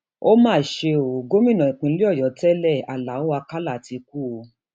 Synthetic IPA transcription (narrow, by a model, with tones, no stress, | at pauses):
o˦mãː˦˨ʃe˧o˨ɡo˦mĩ˦˨nã˨ĩ˨k͡pĩ˧˦li˦ɔ˦˨jɔ˨˦tɛ˦lɛ˦˨a̰˨la˨˦o˦a˧ka˦la˦˨ti˧k̚u˦o˧